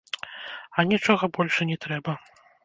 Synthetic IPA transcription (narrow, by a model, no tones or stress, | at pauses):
ɐnʲit͡ʂɔɣɐbɔlʲʂɐnʲɛt̪ɾɛbɐ